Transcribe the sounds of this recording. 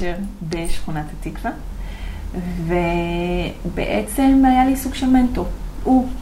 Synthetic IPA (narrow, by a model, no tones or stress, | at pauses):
eʁbeʃχunat̪at̪ikva | ve | bḛʔet͡se̞majalisuɡʃement̪ou